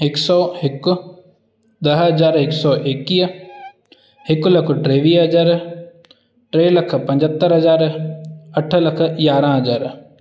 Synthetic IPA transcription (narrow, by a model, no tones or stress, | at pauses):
ɪksɔːɦɪk | d̪ɐɦɦɐd͡ʒaːɾɪksɔːʔekːiː | ɦɪklɐkʰɖɾeːʋiːɦɐd͡ʒaːɾ | ʈɾeːlɐkʰpɐ̃ɲd͡ʒət̪ːəɾɦɐd͡ʒaːɾ | ɐʈʰlɐkʰjaːɾãɦɐd͡ʒaːɾ